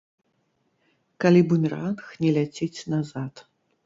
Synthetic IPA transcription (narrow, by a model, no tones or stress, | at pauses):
kalʲibumʲranxnʲɛlʲat͡sʲɛt͡sʲnazat̪